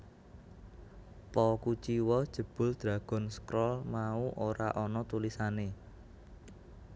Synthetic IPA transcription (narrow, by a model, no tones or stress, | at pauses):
pɔkut͡ʃiwɔd̥ʒ̥ə̤b̥ʊ̤ld̪̥ɾa̤ɡ̥ɔ̤nskɾɔlmauʔoɾa̰ʔɔnɔt̪ulisane